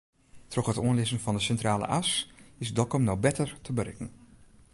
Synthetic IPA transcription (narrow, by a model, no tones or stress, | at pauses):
trɔχhətuənlɪzənfɔndəsɛntraːlə̰ʔasɪsdɔlˠkɔmnɔwbɛtərtʰəbərɪ̰kən̩